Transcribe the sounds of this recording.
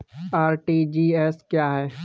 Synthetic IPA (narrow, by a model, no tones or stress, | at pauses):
aːɾʈid͡ʒiːɛːskjaːɦɛː